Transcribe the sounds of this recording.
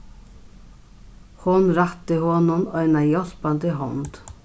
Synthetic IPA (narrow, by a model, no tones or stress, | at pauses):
hʊnɾat̪ɪhɔnʊnœʏnajɔl̥pand̪əɦɔnt̪